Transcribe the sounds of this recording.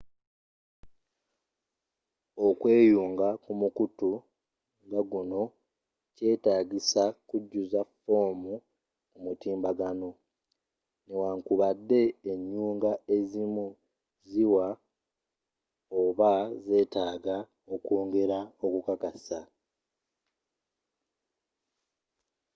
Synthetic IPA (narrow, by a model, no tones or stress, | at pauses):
okwe̞ːjuːŋɡakumukutu | ŋɡaɡuno̞ | ce̞ːtaːɟisakuɟːuzafo̞ːmu | kumutiːmbaɡano̞ | newaŋkuβadːe̞ːɲːuːŋɡae̞zimu | ziwa | oβaze̞ːtaːɡa | o̞koːŋɡe̞ɾao̞kukakasa